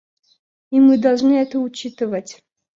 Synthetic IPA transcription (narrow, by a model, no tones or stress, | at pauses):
imɨd̪ɐlˠʐnɨɛt̪əʊt͡ɕit̪ɨvətʲ